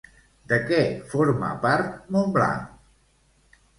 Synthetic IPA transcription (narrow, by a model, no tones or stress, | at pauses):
d̪əkɛfoɾma̰paɾt̪mombla̰